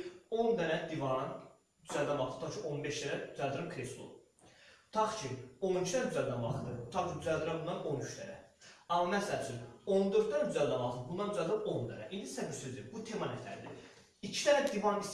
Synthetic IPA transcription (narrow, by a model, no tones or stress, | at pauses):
o̞nd̪ænæd̪ivɑɾɯn | d̪yzæld̪ænɑlˠt̪ʰɯ̥t̪ʰɑχt͡ʃʰiʔo̞nbeʃd̪ænæd̪yzæld̪ɯɾɯmkʰɾeslˠo̰ | t̪ʰɑχt͡ʃʰionit͡ʃʰid̪ænd̪yzæld̪ænvɑlt̪ɯd̪ɯt̪ʰɑχkʰid̪yzæld̪iɾænbund̪ɑnonyt͡ʃt̪æ̰næ̰ɑmɑmæsælt͡ʃʰyno̞nd̪øɾd̪d̪ɑnd̪yzæld̪ænɑlˠt̪ʰɯd̪bund̪ɑnd̪yzæld̪ɾɯnond̪æ̰næ̰ʔind̪isæbiɾsøzd̪iɾbut̪ʰemɑnɛt̪ʰæ̰ɾd̪ḭ | it͡ʃʰi̥d̪ʰænæd̪ivɑɾnis